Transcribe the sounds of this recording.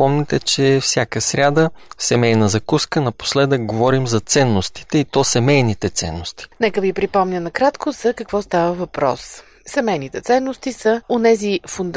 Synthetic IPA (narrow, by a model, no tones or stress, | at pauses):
pɔmnʲɛt̪ɛt͡ʃɛfsʲjakəsɾʲad̪əsɛmɛjnəzɐkuskənɐpo̥slɛd̪ək̚ɡovɔɾimzɐt̪sɛnːost̪i̥t̪ɛit̪ɔsɛmɛjnit̪ɛt̪sɛ̰nːost̪i̥nɛkəvipɾipɔmnʲənɐkɾat̪kozɐkəkvɔst̪avəvɐpɾɔ̰s | sɛmɛjnit̪ɛt̪sɛnːost̪isəonɛzifʊnd̪